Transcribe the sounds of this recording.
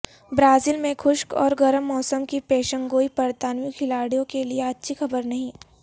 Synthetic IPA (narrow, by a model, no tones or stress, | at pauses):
bɾaːziːlmẽkʰʊʃkɔ̰ːɾɡɐɾəmːɔːsəmkipeːʃə̃ŋɡoːipɐɾt̪aːnmjukʰɪlaːɽijõkelieɐtːʃʰixɐbəɾnɐɦĩː